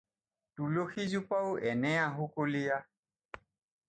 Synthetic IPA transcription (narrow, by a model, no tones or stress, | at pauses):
tuloxizupawɛnɛaɦũkolija